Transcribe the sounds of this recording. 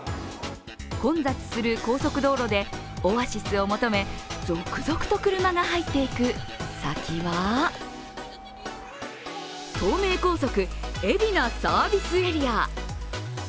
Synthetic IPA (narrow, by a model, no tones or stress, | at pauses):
kõ̞nd͡zat͡sɨ̥sɨɾɯ̟ko̞ːso̞kɯ̟d̪o̞ːɾo̞d̪e̞ | o̞βaɕisɨo̞mo̞t̪o̞me̞zo̞kːɯ̟zo̞kɯ̟̥t̪o̞kɯ̟ɾɯ̟maɡaɦait̪ːe̞ikɯ̟sakʲʰiβa | t̪o̞ːme̞ːko̞ːs̬o̞kɯ̟e̞bʲinasaːbʲisɨeɾʲia